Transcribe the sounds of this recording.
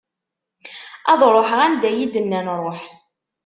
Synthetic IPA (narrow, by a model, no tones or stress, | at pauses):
ɑðˤɾˤoħəʁænd̪æjid̪ənːænɾˤoħ